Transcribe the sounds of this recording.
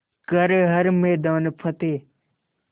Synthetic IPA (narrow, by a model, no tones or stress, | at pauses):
kəɾɦəɾmeːd̪aːnpʰət̪eː